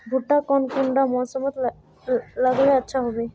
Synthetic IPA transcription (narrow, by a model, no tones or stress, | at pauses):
bʱuʈːakɔnkuɳɖamɔsɔmɔt̪ | laɡleatːʃʰaɦɔbe